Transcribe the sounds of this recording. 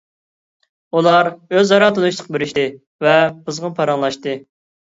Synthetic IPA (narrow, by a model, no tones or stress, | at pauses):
ulˠɑɾøzɑɾɑt̪ɨnuʃt̪ʰˠə̥q̚beɾɪʃt̪ɪ | vɛbɨzʁəpʰɑɾɑŋlˠɑʃt̪ɨ